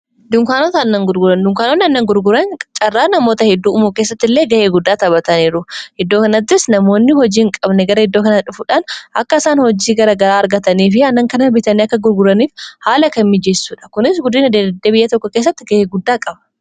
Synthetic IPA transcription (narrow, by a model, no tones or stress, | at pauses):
d̪ʊŋkaːnoːt̪ɐɐnːɐŋɡʊɾɡʊɾɐnd̪ʊŋkaːnoːnːɪɐnːɐŋɡʊɾɡʊɾɐnt͡ʃʼɐrːaːnɐmo̞ːt̪ɐhɛd̪ːuːʊmuːke̞ːsːɐt̪ːɪlːe̞ːɡɐʔeːɡʊd̪ːaːt̪ɐβɐt̪ɐniːɾʊhɛd̪ːoːkɐnɐt̪ːɪsnɐmo̞ːnːɪhɔd͡ʒiːŋkʼɐbnɛɡɐɾɐhɪd̪ːoːkɐnɐᶑʊfʊᶑaːnʔɐkːɐɪsaːnhɔd͡ʒiːɡɐɾɐɡɐɾaːɐɾɡɐt̪ɐniːfɪɐnːɐŋkɐnɐbɪt̪ɐniːɐkːɐɡʊɾɡʊɾɐniːfhaːlɐkɐmːɪd͡ʒesːuːᶑɐ̥kʊnɪsɡʊd̪ːiːnɐd̪eːd̪ebɪjːɐt̪ɔkːɔkeːs̬ːɐt̪ːɪɡɐheːɡʊd̪ːaːkʼɐbɐ̥